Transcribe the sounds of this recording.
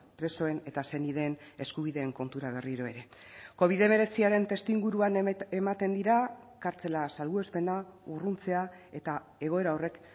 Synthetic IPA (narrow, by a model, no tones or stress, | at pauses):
pɾe̞so̞e̞ne̞t̪ase̞nið̞e̞ːne̞skuβ̞iðe̞ːŋko̞nt̪uɾaβ̞e̞riɾo̞e̞ɾe̞ko̞β̞iðe̞me̞ɾe̞t͡siaɾe̞nt̪e̞st̪iŋɡuɾuanemat̪e̞nd̪iɾa | kaɾt͡se̞lasalɣue̞spe̞naurunt͡se̞a | e̞t̪a | e̞ɣ̞o̞e̞ɾao̞re̞k